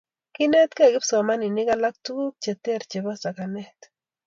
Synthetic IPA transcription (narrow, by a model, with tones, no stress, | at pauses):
ki˦ne˦t̪̚ke˦˨kɪ˦psa˨ma˦ni˨ni˦ka˦la˦k̚t̪u˦k̚t͡ʃe˨t̪ːɾt͡ʃe˨bo˦sa˨ka˨ne˦t̪